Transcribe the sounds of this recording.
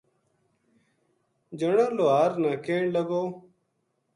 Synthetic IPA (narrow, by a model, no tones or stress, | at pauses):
d͡ʒəɳõːloːaːɾnaːkẽːɳləɡoː